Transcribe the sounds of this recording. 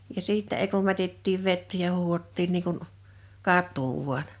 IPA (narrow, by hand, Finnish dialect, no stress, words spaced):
jɑ siːtːæ ei kum mætetːiːʋ ʋetːæ jɑ huːhotːiːn niː kun kɑtˑuː ʋuɑn